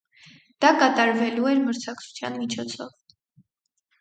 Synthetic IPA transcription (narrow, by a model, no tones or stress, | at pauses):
d̪̥ɑkɑt̪ɑɾvɛluɛɾməɾt͡sʰɑkt͡sʰu̥t͡sʰjɑ̰nmit͡ʃʰɔt͡sʰɔv